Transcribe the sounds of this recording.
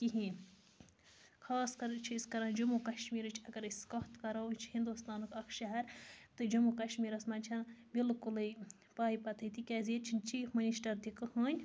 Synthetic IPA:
kiɦiːnʲ | kʰɑːskɐɾt͡ʃʰiskɐɾɐːnd͡ʒumukɐʃmiːɾɨt͡ʃʰɐɡɐɾiskɐht̪kɐɾɐt͡ʃʰhind̪ust̪aːnɨkɐkʰʃɐɦɐɾt̪ɨd͡ʒumukɐʃmiːɾɐsmɐnʲt͡ʃʰɐnbilkulɨ | paːipɐt̪ʰɨt̪ikʲaːzieːt͡ʃʰinʲt͡ʃiːfmɐniʃʈɐɾd̪ikɨhəːnʲ

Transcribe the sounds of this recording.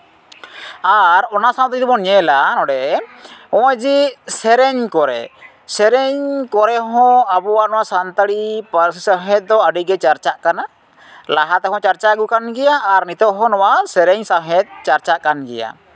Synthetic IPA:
aɾɔnasant̪aɾid̪ɔbɔnɲɛlanɔɖɛ | ɔ̃əd͡ʒisɛɾɛɲkɔɾɛ̰ | sɛɾɛɲkɔɾɛɦɔ̃abuwaʔnɔwaʔsant̪aɽipəɾsisaɦɛt̪̚d̪ɔəɖiɡɛt͡ʃaɾt͡ʃaʔkana | laɦat̪ɛɦɔ̃t͡ʃaɾt͡ʃaɡukanɡɛjaːɾnit̪ɔʔɦɔ̃nɔwasɛɾɛɲsaɦɛt̪̚t͡ʃaɾt͡ʃaʔkanɡɛ̰ja̰

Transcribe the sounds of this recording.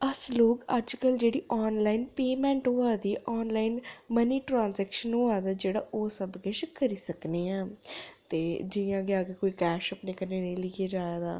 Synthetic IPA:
əsloːkəd͡ʒkəld͡ʒeːɽiːʔɔːnlaːinpeːmɛ̃ːɳʈɦoaːd̪iːʔɔːnlaːinməniːʈɾãːnsɛːkʃənɦoːaːd̪aːd͡ʒeːɽaːʔoːsəbkeʃkəɾiːsəkneːãːt̪eːd͡ʒɪjãːɡɪaːɡeːkoːiːkɛːʃəpneːkəneːnẽːlɪɡiːd͡ʒaːd̪a̰ː

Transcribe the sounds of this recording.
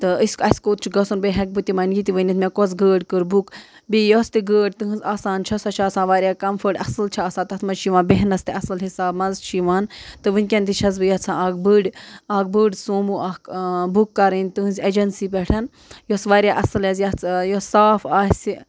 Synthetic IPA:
t̪ɨəsʲkɐsʲkoːt̪̚t͡ʃʰiɡɐsunbeɦɐk̚bɨt̪imɐnɡit̪iʋənɐt̪mekozɡəːɖʲkɨɾbuk | bijost̪iɡəːɖʲt̪ɨɦɨ̃nzʲaːsaːnt͡ʃʰɐsɐt͡ʃʰaːsãːnʋaːɾʲjaːkɐmfəɖʲɐsɨlt͡ʃʰaːsaːt̪ɐt̪ʰmɐzt͡ʃʰiʋaːnbeɦnɐst̪iɐsɐlɦisaːbmɐzt͡ʃʰiʋaːnt̪ɨʋɨnʲkʲɐnʲt̪it͡ʃʰɐz̬bɨjɐt͡sʰãaːɡ̚bɨɖʲaːɡ̚bɨːɖʲsoːmuʔɐkbukːɐɾɨnʲt̪ɨɦɨ̃zʲed͡ʒɐnsip̬ɛʈʰɐn | josʋaːɾjaːʔɐsɨlɐzjɐt͡sʰjosaːfaːsi

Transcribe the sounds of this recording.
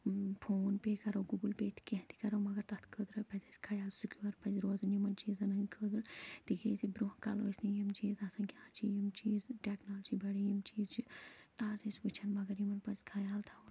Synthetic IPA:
pʰoːnpeːkɐɾɐwɡuɡulpeːt̪ʰi̥kʲeɦt̪ʰi̥kɐɾɐwmɐɡɐɾt̪ɐt̪ʰkəd̪ɾɐpɐzʲɐsʲkʰɐjaːlsukʲuɐɾpɐziɾoːzɐnjimɐnt͡ʃiːzɐnɐnkʰəːd̪ɾɨt̪ikeːzibɾuɦkɐ̰loːsʲnijimt͡ʃiːzɐsɐ̃nkʲãːt͡ʃijimt͡ʃiːzʈʲeknaːld͡ʒibɐɽijimt͡ʃiːzt͡ʃiaːzisʲʋɨt͡ʃʰɐnmɐɡɐɾjimɐnpɐskʰɐjaːlt̪ʰa

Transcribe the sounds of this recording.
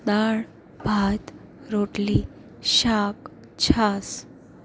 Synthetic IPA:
d̪aɭ | bʱat̪ | ɾoʈli | ɕak̚ | t͡ɕʰas

